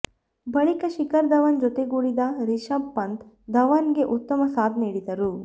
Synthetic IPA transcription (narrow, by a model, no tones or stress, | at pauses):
bɐɭikɐʃikɐɾd̪ɐʋɐnd͡ʒot̪e̞ɡuːɽid̪ɐɾiʃɐbːɐnt̪ | d̪ɐʋɐnɡe̞ʔut̪ːɐmɐsaːd̪niːɽid̪ɐɾu